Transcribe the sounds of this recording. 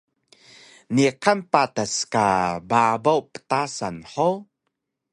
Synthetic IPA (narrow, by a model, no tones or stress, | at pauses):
nikʰanpat̪askababowpə̥t̪asanħow